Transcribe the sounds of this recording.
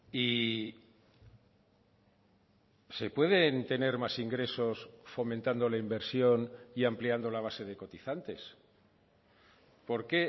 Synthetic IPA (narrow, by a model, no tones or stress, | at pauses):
i | se̞pwe̞ðe̞nt̪e̞ne̞ɾmasiŋɡɾe̞so̞sfo̞mẽnt̪and̪o̞laimbe̞ɾsjo̞niampliand̪o̞laβ̞ase̞ð̞e̞ko̞t̪iθant̪e̞s | po̞ɾke̞